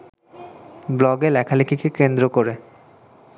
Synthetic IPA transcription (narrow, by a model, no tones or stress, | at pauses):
blɔɡelɛkʰalikikekend̪ɾokoɾe